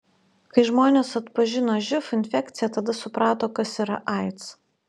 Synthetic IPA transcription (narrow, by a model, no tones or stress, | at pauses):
kɐɪʒmoːnʲeːsɐt̪pɐʒʲɪnoːʒʲɪfɪnʲfʲɛk̚t̪sʲɪjɛt̪ɐd̪ɐsʊpɾɑːt̪oːkɐsiːɾɐʔɐɪt̪s